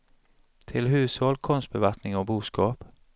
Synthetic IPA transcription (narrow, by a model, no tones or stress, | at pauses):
t̪ʰɪlɦʉːshɔlkʰɔnst̪̚bəʋæʁknɪŋoːbuːskɑːp